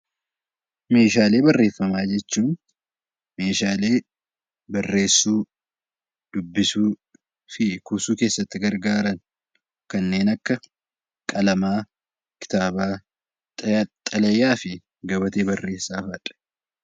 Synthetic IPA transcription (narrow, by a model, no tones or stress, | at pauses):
me̞ːʃaːle̞ːbɐrːe̞ːfːɐmaːd͡ʒɛt͡ʃːuːn | me̞ːʃaːle̞ː | bɐrːe̞ːsːuː | d̪̥ʊbːɪsuː | fɪkuːsuːke̞ːsːɐt̪ːɪɡɐɾɡaːɾɐn | kɐnːe̞ːnɐkːɐ | kʼɐlɐmaː | kɪ̥t̪aːbaː | t̪ʼɐt̪ʼɐlɐjːaːfɪ | ɡɐbɐt̪e̞ːbɐrːe̞ːsːaːfɐᶑʼɛ̥